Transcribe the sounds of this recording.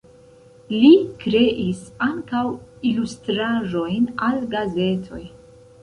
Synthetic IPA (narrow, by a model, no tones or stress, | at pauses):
likɾe̞ʔisaŋkawilustɾaʒo̞jnalɡaze̞tʰo̞̰j